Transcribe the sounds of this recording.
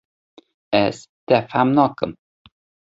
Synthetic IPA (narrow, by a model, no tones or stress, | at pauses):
ɛst̪ɛfhamnɔkə̰m